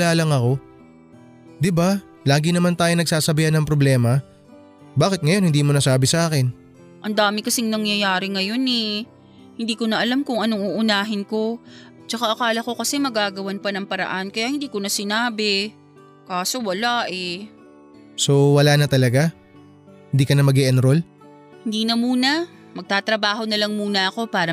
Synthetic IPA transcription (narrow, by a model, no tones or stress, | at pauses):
aːlɐŋɐko̞ | d̪ɪba | laːɡɪnɐmant̪aːjonɐɡ̚saːsɐbɪhɐnːɐŋpɾoblɛːmɐ | baːkɪt̪̚ŋɐjo̞nhɪnd̪iːmonɐsaːbɪsɐʔaːkɪn | ʔɐnd̪aːmɪkɐsɪŋnɐŋjɐjaːɾɪŋɐjo̞nɛ | hɪnd̪iːkonɐʔɐlamkʊŋʔɐno̞ŋuʔʊnaːɦɪnko̞ | t͡ʃɐkaʔɐkaːlɐko̞kɐsɛmɐɡaːɡɐwanpɐnɐŋpɐɾɐ̰ʔankɐjaʔhɪnd̪iːkonɐsɪnaːbɛ | kaːso̞wɐlaʔɛ | sowɐlaːnɐt̪ɐlɐɡa | hɪnd̪iːkɐnɐmɐɡɛʔɐnɾol | hɪnd̪iːnɐmuːnɐ | mɐɡ̚t̪aːt̪ɾɐbaːɦo̞nɐlɐŋmuːnɐʔɐko̞paːɾɐ